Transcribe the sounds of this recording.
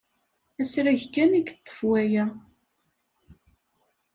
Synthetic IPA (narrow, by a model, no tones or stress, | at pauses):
æsɾæʝkːæniɡət̪ˤːə̥fwæjæ